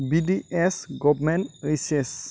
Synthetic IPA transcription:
bidiɛsɡɔbmɛntises

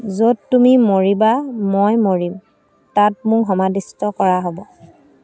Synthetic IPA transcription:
zodtːumimoɹibamojmoɹim | tat̚mʊkɦɔmadistɔkɔɹaɦɔbɔ

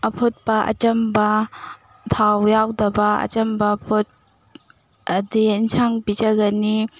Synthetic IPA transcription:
ɐpʰot̚pɐʔɐ̰t͡ʃɐmbɐ | tʰawjawdɐbɐɐ̰t͡ʃɐmbɐpot̚ | ɐdiinsʰaŋpid͡ʒɐɡɐni

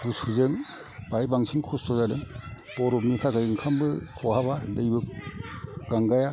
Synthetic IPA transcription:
ɡusuzɯŋ | b̥ajbaŋsʰiŋkʰustɔzadɯŋ | b̥ɔɾɔpmitʰaɡajɯŋkʰambɯkʰɔhabadɯjbɯk̚ | ɡ̥aŋɡaja

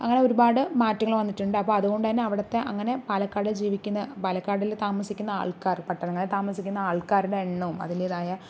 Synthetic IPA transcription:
ɐŋːɐne̞o̞ɾubaːɽɨmaːtːɐŋɐɭʋɐnːiʈːuɳɖɨɐpːoːɐðuɣo̞ɳɖɨt̪ɐnːeɐʋiɽɐt̪ːe̞ʔɐŋːɐne̞pɐlɐkːaːɽid͡ʑiːʋikʲːunːɐpɐlɐkːaːɽilt̪aːmɐsikʲːunːɐa̰ːɭkaːrpɐʈːɐnɐŋːɐɭet̪aːmɐsikʲːunːɐaːɭkaːɾuɽeːɳːuumɐ̰ðiliːðaːjɐ

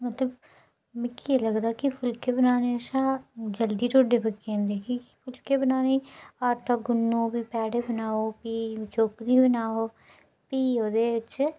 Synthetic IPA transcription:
mət̪ləb | mɪkːieləɡd̪aːkipʰʊlkebənaːneəʃãːd͡ʒəld̪iːɾoːɖebəkːẽnd̪eːkʰi̥pʰʊlkebənaːneaːʈaɡʊnːõːbiːpɛːɽeːbənaːoːpiːt͡ʃoːkɾiːbənaːoː | piːɦoːd̪eːʋɪt͡ʃ

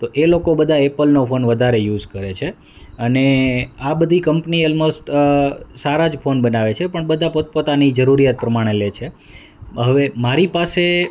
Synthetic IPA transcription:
t̪oʔelokobəd̪ʱaepəlnofʰonʋəd̪ʱaɾejud͡ʒkəɾet͡ʃʰe | əneabəd̪ʱikəmpniɔlmosʈ | saɾad͡ʒfʰonbənaʋet͡ʃʰepəɳbəd̪ʱapot̪̚pot̪anid͡ʒəɾuɾijat̪̚pɾəmaɽ̃elet͡ʃʰe | ɦəʋemaɾipase

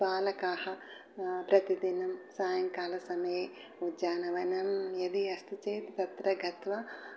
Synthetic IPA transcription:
paːlɐkaːhɐ | pɾɐt̪id̪inɐmsaːjɐŋkaːlɐsɐmɐje | ud͡ʒaːnɐʋɐnɐmjɐd̪iɐst̪it͡ʃeːt̪t̪ɐt̪ɾɐɡʱɐt̪ʋɐ

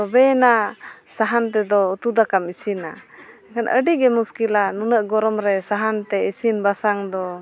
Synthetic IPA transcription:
tɔbɛnasaɦant̪ɛd̪ɔut̪ud̪akamisina̰ | kanʔə̰ɖiɡɛmuskilanunəʔɡɔɾɔmɾɛsaɦant̪ɛisinbasaŋd̪ɔ

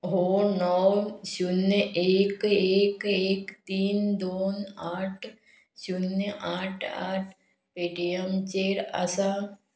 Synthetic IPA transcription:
ɦoːnɔːʃʊnʔeːkeːkeːkt̪iːnd̪oːnaːʈʰ | ʃʊnaːʈʰa̰ːʈʰ | peːɖijɐmt͡ʃeːɾa̰saː

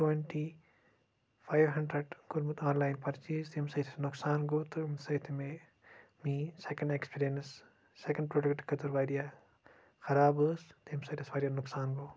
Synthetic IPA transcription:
ʈweɳʈi | pʰɐjʋɦɐɳɖɾɐɖɡuɾmut̪aːnlɐjnpɐɾt͡ʃiːst̪eːmsɐjt̪ʰinuksaːnɡoːt̪umsɐjt̪ʰime | miːsekɐɳɖekspiːɾjɐnsː | ekɐ̃ɳɖ̚pɾoːɖɐkʈkɐt̪uɾʋɐjɾjɐ | xɐɾaːbɨst̪eːmsɐjt̪ʰisʋɐːɾjɐnuksaːnɡoː

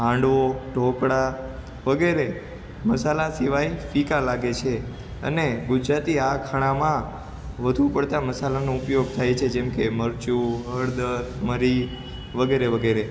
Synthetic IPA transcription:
ɦãɳɖʋoʈokɽa | ʋəɡeɾe | məsalasiʋajfikalaɡet͡ʃʰe | ə̰neɡud͡ʒɾat̪iakʰaɽ̃ãmã | ʋəd̪ʱũpəɽt̪aməsalanoʊpjoɡ̚t̪ʰajt͡ʃʰed͡ʒɛmkeməɾt͡ʃuɦəɾd̪əɾməɾi | ʋəɡeɾeʋəɡeɾe

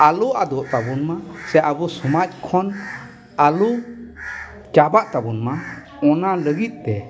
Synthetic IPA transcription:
aluʔad̪ɔʔt̪abunmasɛʔabusumac̚kʰɔn | alu | kabaʔt̪abunma | ɔnaləɡit̪̚ˀt̪ɛ

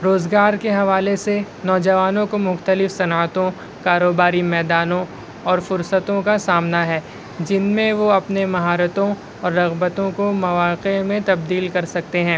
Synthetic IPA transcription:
ɾoːzɡaːɾkeɦɐʋaːlese | nɔːd͡ʒɐʋaːnõkomʊxt̪əlɪfsɐnːət̪õ | kaːɾoːbaːɾimɛːd̪aːnõ | ɔːɾfʊɾsət̪õkasaːmnaɦɛː | d͡ʒɪnmẽʋoɐpnemɐɦaːɾət̪õ | ɔːɾːɐɣbət̪õkomɐʋaːqemẽt̪ɐb̚d̪iːlkɐɾsɐk̚t̪eɦɛ̃ː

